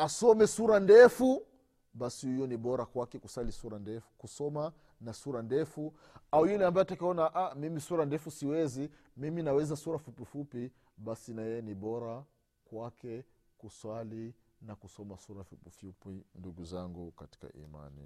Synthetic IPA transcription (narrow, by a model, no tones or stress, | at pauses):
asɔmɛsuɾandɛfu | basihujɔniɓɔɾakwakɛkuswalisuɾandɛfu̥kusɔma | nasuɾandɛfu | aujulɛambaɛatakaɔnaʔamimisuɾandɛfusiwɛzi | miminawɛzasuɾafupifupi | ɓasinajɛjɛniɓɔɾa | kwakɛ | kuswali | nakusɔmasuɾafupifupinduɡuzaŋɡukati̥ka̰ʔḭma̰nḭ